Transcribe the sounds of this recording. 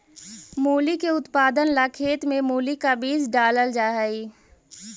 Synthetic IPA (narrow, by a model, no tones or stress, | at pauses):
muːlikeʊt̪paːd̪ənlakʰeːt̪mẽmuːlikabiːzɖaːləld͡ʒaːɦəiː